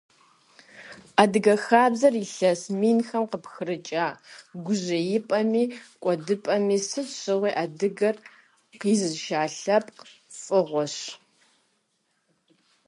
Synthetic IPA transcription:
aːdɨɡɐxaːbzɐriɬɐsmiːnxɐmqəpxɨɾɨt͡ʃʼaːɡʷʊʑɐjɪpʼɐmiːkʷʼɔdɨpʼɐmiːsɨɕʼɨʁʷiːʔaːdɨɡɐr | qiːzɨzʃaːɬɐpʼq | fʼɨʁʷɔɕ

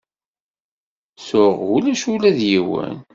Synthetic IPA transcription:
sʊʁulæʃulæðjiwə̰n

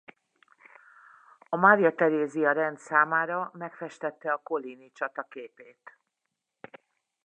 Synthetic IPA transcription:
ɒmaːɾjɒt̪ɛɾeːziɒɾɛnd̪saːmaːɾɒmɛkfɛʃt̪ɛt̪ːɛɒko̞liːnit͡ʃɒt̪ɒkeːpeːt̪

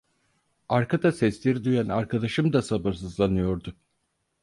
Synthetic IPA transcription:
aɾkad̪asɛslʲiɾid̪yjænaɾkʰad̪aʃɯmd̪asabɯɾs̬ɯzlˠanɯjo̞ɾd̪ʊ

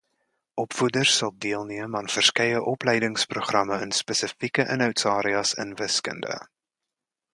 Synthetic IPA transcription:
ʔɔpfudərssɐlˠdiəlˠniəmɑːnfərskɛjəʔɔplɛjdəŋspruχrɐməənspəsəfikəʔənœɥtsɑːɾiɑsə̰nvəskə̰ndə̰

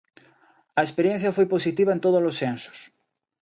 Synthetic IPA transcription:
ɐespeɾjẽn̟θjɐfojposit̪iβ̞aent̪oð̞ozlosːensʊ̥s

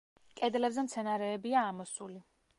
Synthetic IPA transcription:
kʼɛd̪lɛbzɛmt̪sʰɛnaɾɛːbiaːmɔsuli

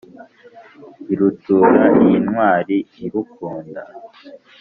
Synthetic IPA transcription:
iɾutuɾaniinwaːɾiːɾukuːnda

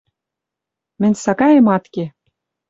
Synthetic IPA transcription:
mɘ̆nʲsɑkɑjĕmɑt̪ke

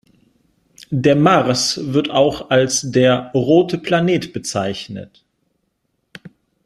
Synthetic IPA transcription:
deːɐmaʁsvɪɐtaʊxalsd̥eːɐʁoːtʰəpʰl̥aneːtb̥ət͡saɪçnə̰t

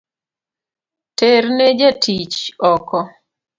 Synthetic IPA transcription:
terned͡ʒatʰit͡ʃɔkɔ

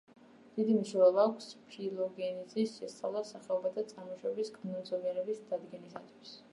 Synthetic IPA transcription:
d̪̥id̪imiʃɛvɛlˠaːkʷʰspʰilˠɔɡɛnizisʃɛst̪sʼa̰vlˠasaχɛɔbat̪ʰat̪sʼaɾmɔʃwɛbiskʼnɔmzɔniɛɾɛbisd̪ad̪ɡɛnisat̪ʰwis

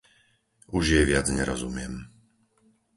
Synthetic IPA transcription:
uʒjɛʋɪad͡zɲɛɾɔzumɪɛm

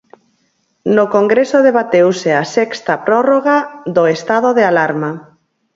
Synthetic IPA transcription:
nokoŋɡɾesoðeβat̪ewseasɛkst̪apɾɔroɣaðoest̪að̞oðealaɾma

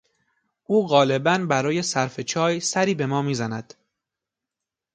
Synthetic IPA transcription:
ʔuːɣɒːlebænbæɾɒːje̞sæɾfe̞t͡ʃʰɒːjsæɾiːbe̞mɒːmiːzænæd̪̥

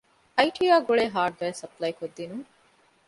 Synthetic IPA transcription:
ɐjʈʰijaːɡuɭeːɦaːɖ̚ɡɐːesɐplɐjkod̪ːinuŋ

